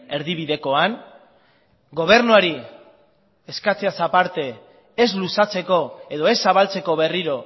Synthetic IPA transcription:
e̞ɾðiβ̞iðe̞ko̞an | ɡo̞β̞e̞ɾnuaɾi | eskat͡seasapaɾt̪e̞ | ezlusat͡se̞ko̞eðo̞e̞sːaβalt͡se̞ko̞βe̞riɾo̞

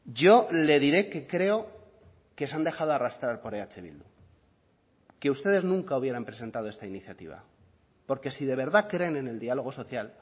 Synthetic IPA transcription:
ɟ͡ʝo̞le̞ðiɾe̞ke̞kɾe̞o̞ | kes̬and̪e̞xað̞oarast̪ɾaɾpo̞ɾeat͡ʃe̞βḭld̪ṵ | ke̞ust̪e̞ðe̞znũŋkauβ̞je̞ɾampɾe̞se̞nt̪aðoe̞st̪ainiθjat̪ḭβ̞a̰ | po̞ɾke̞siðe̞β̞e̞ɾðakɾe̞nene̞ld̪ialo̞ɣ̞o̞so̞θjal

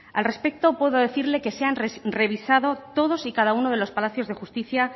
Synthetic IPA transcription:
a̰lre̞spe̞k̚t̪o̞pwe̞ðoðe̞θiɾle̞ke̞se̞anre̞β̞isaðo̞t̪o̞ðo̞sikað̞auno̞ð̞e̞lo̞spalaθjo̞zðe̞xust̪iθja

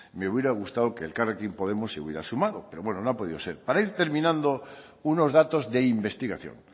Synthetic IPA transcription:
me̞uβjeɾaɣ̞ust̪aðokeːlkarekimpo̞ðemosːeṵβjeɾasumaðopeɾoβwenonõapo̞ð̞iðoseɾpaɾaiɾt̪e̞ɾmĩnãnd̪o | unozðat̪ozðeimbe̞st̪iɣaθjo̰ŋ

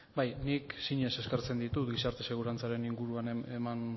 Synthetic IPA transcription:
bajniksiɲe̞se̞skaɾt͡se̞nd̪it̪ut̪ɡisaɾt̪e̞se̞ɣ̞uɾant͡saɾe̞niŋɡuɾuaneman

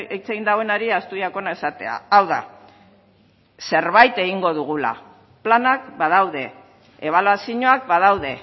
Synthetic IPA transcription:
eit͡seɣind̪aɣoe̞naɾiast̪uiako̞naesat̪e̞̰a̰awða̰ | se̞ɾβajt̪e̞ɣ̞iŋɡo̞ðuɣ̞ula̰ | planakbaðawðe̞ | eβ̞alasiɲo̞ak̚baðawðe̞

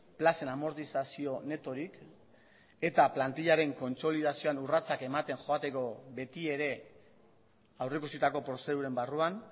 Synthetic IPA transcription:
plase̞namo̞ɾt̪isasio̞ne̞t̪o̞ɾik | e̞t̪aplant̪iʎaɾe̞ŋko̞nt͡so̞lið̞asio̞anurat͡sake̞mat̪e̞ŋʝo̞at̪e̞ko̞βe̞t̪ie̞ɾe̞ | awrekusit̪ako̞pɾo̞se̞ð̞uɾe̞mbaruan

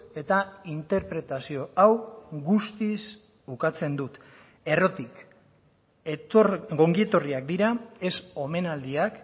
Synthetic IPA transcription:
e̞t̪aint̪e̞ɾpɾe̞t̪asio̞awɣust̪is | ukat͡se̞nd̪ut̪ | e̞ro̞t̪ik | ɡo̞ŋɡie̞t̪o̞riak̚d̪iɾae̞so̞me̞nald̪iak

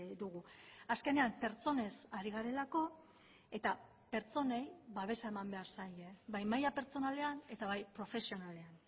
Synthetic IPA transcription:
d̪uɣ̞uaske̞ne̞ampe̞ɾt͡so̞ne̞saɾiɣ̞aɾe̞lako̞ | e̞t̪a | pe̞ɾt͡so̞ne̞jβaβ̞e̞sae̞mambe̞aɾsajeβajmajape̞ɾt͡so̞nale̞ane̞t̪aβajpɾo̞fe̞sio̞nale̞an

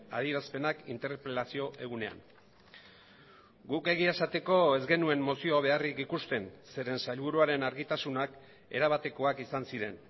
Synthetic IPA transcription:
a̰ð̞iɾaspe̞nakint̪e̞ɾpɾelasio̞ʔe̞ɣune̞a̰n | ɡuke̞ɣiesat̪e̞ko̞e̞zɣe̞nue̞mːo̞sioβ̞e̞arikikust̪e̞nse̞ɾe̞nsajlβuɾuaɾe̞naɾɣit̪asunak | e̞ɾaβ̞at̪e̞ko̞akisansiɾe̞n

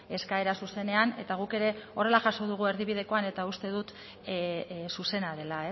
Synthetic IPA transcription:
e̞skae̞ɾasuse̞ne̞ane̞̰t̪aɣ̞uke̞ɾe̞o̞re̞laʝaso̞ðuɣ̞ue̞ɾðiβ̞ið̞e̞ko̞ane̞t̪aust̪e̞ðut̪ | suse̞naðe̞lae

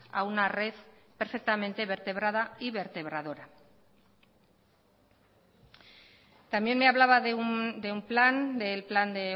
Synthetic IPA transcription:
aunare̞ðpe̞ɾfe̞k̚t̪ame̞nt̪eβe̞ɾt̪e̞β̞ɾað̞aiβe̞ɾt̪e̞β̞ɾað̞o̞ɾa | t̪amje̞nme̞aβlaβaðed̪eumpland̪elpland̪e̞

